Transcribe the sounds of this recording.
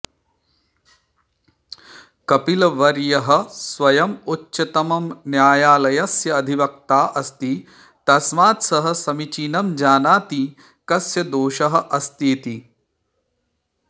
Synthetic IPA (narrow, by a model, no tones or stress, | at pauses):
kɐpilɐʋɐɾjɐɦɐ̆sʋɐjɐmutːt͡ʃʃɐt̪ɐmɐmnjaːjaːlɐjɐsjɐːd̪ʱiʋɐk̚t̪aːʔɐst̪i | t̪ɐsmaːt̪sɐɦɐ̆sɐmit͡ʃiːnɐmd͡ʒaːnaːt̪i | kɐsjɐd̪oːʃɐɦɐ̆ʔɐst̪eːt̪i